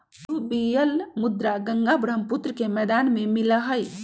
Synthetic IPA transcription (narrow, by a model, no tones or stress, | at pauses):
t̪ubijəlmʊd̪ɾaɡɐ̃ŋɡabɾəmpʊt̪ɾəkemɛːd̪aːnmẽmɪləɦəj